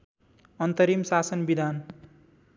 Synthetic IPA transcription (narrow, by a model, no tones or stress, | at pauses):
ʌnt̪ʌɾimsasʌnbid̪ʱan